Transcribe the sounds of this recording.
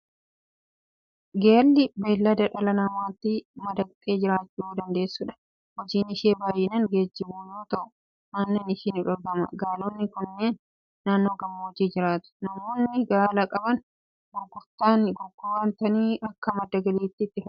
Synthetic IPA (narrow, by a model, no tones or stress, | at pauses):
ɡeːlːɪbeːlːɐd̪ɐᶑɐlɐnɐmaːt̪ːɪmɐd̪ɐkt̪ʼːe̞ːd͡ʒɪɾaːt͡ʃːuːd̪ɐnd̪e̞ːsːuːᶑɐ̥ | hɔd͡ʒiːnɪʃeːbaːjɪnɐŋɡeːd͡ʒːɪbuːjoːt̪ɐʔʊ̥ | naːnːenɪʃinɪᶑɔɾɡɐmɐ̰ɡaːloːnːɪkʊnːeːnː | aːnːo̞ːɡɐmːoːd͡ʒiːd͡ʒɪɾaːt̪ʊ̥nɐmoːnːɪɡaːlɐkʼɐbɐn | ɡɔɡːʊɾt̪aːnɪɡɔɡːʊwant̪ɐniːʔɐkːɐmɐd̪ːɐɡɐliːt̪ːɪt̪ːɪfɐ